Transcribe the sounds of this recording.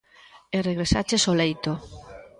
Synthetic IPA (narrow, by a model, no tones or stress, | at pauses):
ereɣɾesa̰t͡ʃesolejt̪o